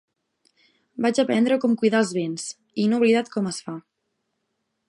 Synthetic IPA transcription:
bad͡ʒəpɛnd̪ɾəkɔmkujðalˠzβens | inouβliðat̪̚kʰɔməsfa

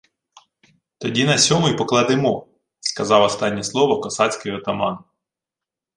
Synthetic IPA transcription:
t̪ɔdʲinɐsʲɔmʊjpɔklˠɑd̪emɔ | skɐzɑwɔst̪ɑnʲːɛslˠɔʋɔkɔsɑt͡sʲkɪjɔt̪ɐmɑn

